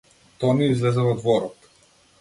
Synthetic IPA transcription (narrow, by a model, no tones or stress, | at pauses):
t̪ɔniizlɛzɛvɔd̪vɔɾɔt̪